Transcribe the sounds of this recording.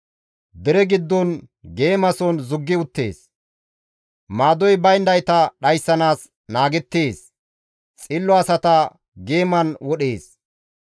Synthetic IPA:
d̪ɛɾɛɡɪd̪ːɔnɡe̞ːmɐsɔnzʊɡːɪʊt̪ːe̞̰ːs | maːd̪ɔjbɐjnd̪ɐjt̪ɐɗɐjsːɐnaːs | naːɡɛt̪ːeːs | t͡sʼɪlːɔɐsɐt̪ɐ | ɡe̞ːmɐnwɔɗe̞ːs

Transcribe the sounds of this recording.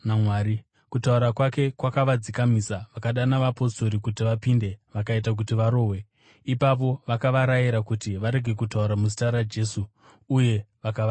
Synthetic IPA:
namwaːɾi | kutauɾakwake̞kwakaʋad͡zikamisaʋakaɗanaʋapo̞sto̞ɾikutiʋapinde̞ʋakaitak̬utiʋaɾo̞ːwe̞ | ipapo̞ʋakaʋaɾajiɾakutiʋaɾe̞ɡʱe̞kutauɾamuzitaɾad͡ʒe̞suː | je̞ʋakaʋa

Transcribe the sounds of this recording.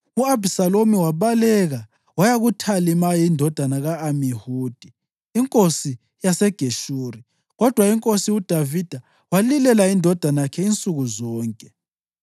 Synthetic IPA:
uabʱisalomiwaβalɛɣa | wajaɣutʰalimajindʱɔd̥ʱanaɣaːmihuːd̥ʱiː | ŋkʼosi | jasɛɡ̥ʱeʃuːri | ɣɔd̥ʱwaiŋkʼosiud̥ʱavid̥ʱa | walilɛlaindʱɔd̥ʱanajakʰɛint͡sʼuɣuzɔːŋkʼɛ

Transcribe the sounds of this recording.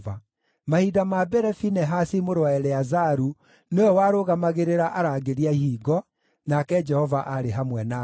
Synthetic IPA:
va | mahidamabɛɾɛfinɛɦasimoɾwaɛɾɛazaɾu | neɔwaɾoɣamaɣeɾeɾaʔaɾaɣeɾiaihiːɡɔ | nakɛd͡ʒɛhɔvaʔaɾeɦamwɛna

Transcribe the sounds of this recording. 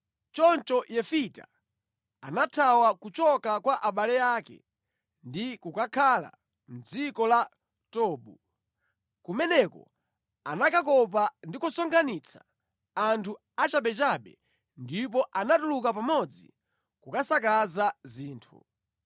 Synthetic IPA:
t͡ʃɔnt͡ʃɔjɛfita̰ | anatʰawakut͡ʃɔkakwaʔaɓalɛjaːkɛ̰ | ndikukakʰala̰ | m̩d͡zikɔla | tɔːɓu | kumɛnɛkɔ̰ | anakakɔp̬andikusɔŋɡanit͡sʰḁ | antʰu | at͡ʃaɓɛt͡ʃaɓɛ | ndip̬ɔʔanatulukapamɔd͡zḭ | kukasakazaziːntʰṵ

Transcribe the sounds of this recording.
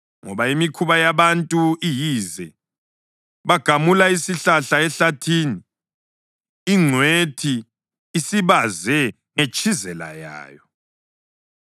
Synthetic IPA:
ŋɔβaimikʰuβajaβantʼuijiːzɛ | βaɡ̥ʱamulaisiɬaɬaɛɬatʰiːni | ŋ͡ǀʱwetʰiː | siβazɛ | ŋet͡ʃʼʰizɛla̰ja̰ːjɔ

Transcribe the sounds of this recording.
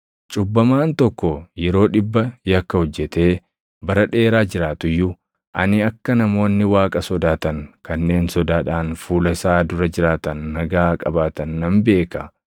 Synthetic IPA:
t͡ʃʼʊbːɐmaːnt̪ɔkːɔjɛɾo̞ːᶑɪbːɐjɐkːɐhɔd͡ʒːɛt̪e̞ː | bɐɾɐᶑe̞ːɾaːd͡ʒɪɾaːt̪ʊjːʊ | ʔɐ̰nɪɐkːɐnɐmo̞ːnːɪwaːkʼɐsɔd̪aːt̪ɐŋkɐnːe̞ːnsɔd̪aːᶑaːnfuːlɐsaːd̪ʊɾɐd͡ʒɪɾaːt̪ɐnːɐɡaːkʼɐbaːt̪ɐnːɐmbe̞ːkɐ

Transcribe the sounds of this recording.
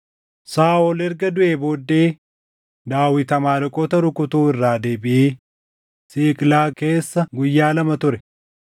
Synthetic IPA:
saːɔlɛɾɡɐd̪ʊʔeːbo̞ːd̪ːe̞ː | d̪aːwːɪt̪ɐmaːlɔkʼɔːt̪ɐɾʊkʊt̪uːɪrːaːd̪e̞ːbɪʔeː | siːkʼlaːke̞ːsːɐɡʊjːaːlɐmɐt̪ʊɾɛ

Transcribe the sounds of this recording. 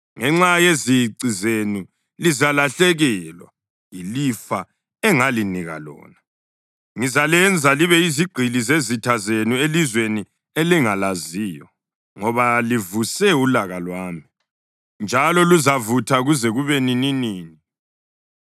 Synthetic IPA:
ŋɛŋ͡ǁajeziɡ͡ǀʱizenu | lizalaɬɛɣɛlwa̰ | jilifa | ɛŋaliniɣa̰lɔ̰ːna | ŋizalɛnd͡zʱaliβɛiziɡ͡ǀʱilizezitʰazenuelizweni | eliŋalaziːjɔ̰ | ŋɔβalivusɛulaɣalwaːmi | nd͡ʒʱalɔluzavutʰaɣuzɛɣuβenininiːni

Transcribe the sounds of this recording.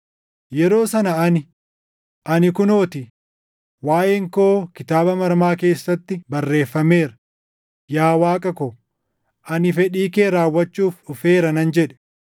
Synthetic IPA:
jɛɾo̞ːsɐnɐɐnɪ | ʔɐnɪkʊno̞ːt̪ɪ | waːʔeːŋko̞ːkɪt̪aːbɐmɐɾmaːke̞ːsːɐt̪ːɪbɐrːe̞ːfːɐme̞ːɾɐ | jaːwaːkʼɐkɔ | ʔɐnɪfɛᶑiːke̞ːɾaːwːɐt͡ʃːuːfʊfe̞ːɾɐnɐnd͡ʒɛᶑɛ̥

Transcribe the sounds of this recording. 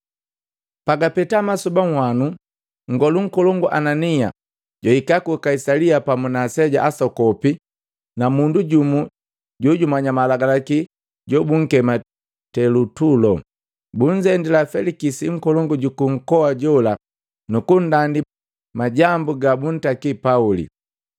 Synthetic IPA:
paɡapɛtamasubaŋhwanu | ŋ̩ɡɔluŋ̩kɔlɔŋɡuʔanania̰ | ɟɔikakukaisaliapamunasɛɟa̰ʔasɔkɔpi | namunduɟumu | ɟɔɟumaɲamalaɡalaki | ɟɔbuŋ̩kɛma | tɛlutulɔ | buɲd͡ʒɛndilafɛlikisiŋ̩kɔlɔŋɡuɟukuŋ̩kɔaɟɔla | nukun̩dandi | maɟambuɡabun̩takipaulḭ

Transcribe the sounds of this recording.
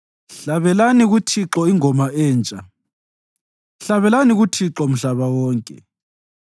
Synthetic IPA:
ɬaβɛlaniɣutʰiǁɔiŋɔmaɛːnt͡ʃʼa | ɬaβɛlaniɣutʰiǁɔm̩ɬaβawɔːŋkʼɛ̰

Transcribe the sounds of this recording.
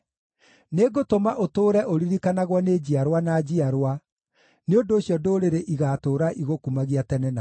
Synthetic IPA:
neɡotomaʔotoːɾɛʔoɾiɾikanaɣwɔned͡ʑiaɾwanad͡ʑiaɾwa | neondoːɕjɔdoɾeɾeʔiɣatoːɾaʔiɣokumaɣiatɛnɛna

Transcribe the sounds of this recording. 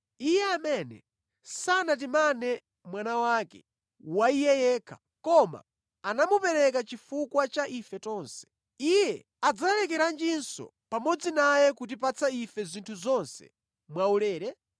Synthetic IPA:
ijɛamɛnɛ̰ | sanat̬imanɛ | mwanawakɛ̰ | waijɛjɛːkʰḁ | kɔma̰ː | namupɛɾɛk̬at͡ʃifukwat͡ʃaʔifɛtɔːnsɛ̥ | ijɛ | ad͡zalɛkɛɾand͡ʒinsɔ̰ | pamɔd͡zinajɛkut̬ip̬at͡saifɛzintʰuzɔnsɛ̰ | mwaulɛːɾɛ

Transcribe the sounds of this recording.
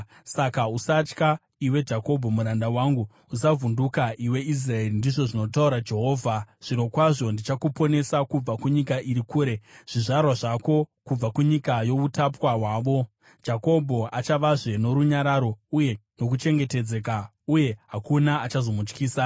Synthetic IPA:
sakausat͡ʃka | iwe̞d͡ʒako̞bʱo̞muɾandawaŋɡu | usavundukaʔiwe̞is̬rae̞rindiʐo̞ʐino̞tauɾad͡ʒe̞ɦo̞ːvʱaʐ̥ino̞kwaʐo̞ndit͡ʃakupo̞ne̞sakub͡vakuɲikaʔiɾikuːɾe̞ʐ̥iʐarwaʐako̞kub͡vakuɲikajo̞utapwaɦwaːʋo̞ | d͡ʒako̞bʱo̞at͡ʃaʋaʐe̞no̞ɾuɲaɾaɾo̞uje̞no̞k̬ut͡ʃe̞ŋɡe̞te̞d͡ze̞ka | uje̞ɦakunaːt͡ʃazo̞mut͡ʃkiːsa

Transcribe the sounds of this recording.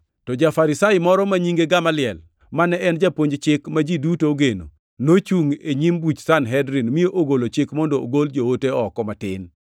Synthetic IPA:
tɔd͡ʒafaɾɪsajɪmɔɾɔmaɲiŋɡeɡamalɪɛl | manɛɛnd͡ʒapoɲd͡ʒt͡ʃɪkmad͡ʒidutooɡeno̰ | not͡ʃuŋeɲimbut͡ʃsanɦɛdɾinmioʔoɡolot͡ʃɪkmɔndɔo̰ɡold͡ʒooteɔkɔmatɪ̰n

